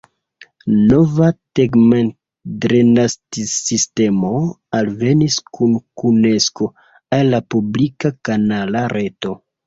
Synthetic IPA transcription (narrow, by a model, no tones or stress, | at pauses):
no̞vateɡmen | dɾenastisiste̞mo̞ | alve̞niskʰunkune̞sko̞ | alːapublikakanalaɾʔe̞to̞